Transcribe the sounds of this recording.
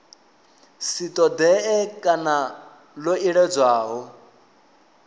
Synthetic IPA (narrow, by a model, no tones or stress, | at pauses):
sit̪ʼɔd̪ɛʔɛkʼana | loiɺɛd͡zwaːɦɔ